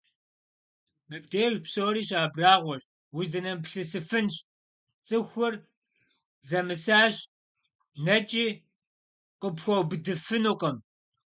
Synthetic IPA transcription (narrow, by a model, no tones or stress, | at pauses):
mɨp̚ʼdeːʒpsoːɾiːɕʼaːbraːʁʷɔɕ | wʊzdɐnɐmpɬɨsɨfɨnɕ | t͡sʼɨxʷʊr | zɐmɨsaːɕ | nɐt͡ʃʼiː | qəpxʷɔwbɨdɨfɨnuqʼɐm